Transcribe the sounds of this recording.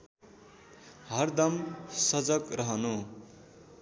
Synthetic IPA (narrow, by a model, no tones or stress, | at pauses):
ɦʌrd̪ʌmsʌd͡zʌkrʌɦʌnu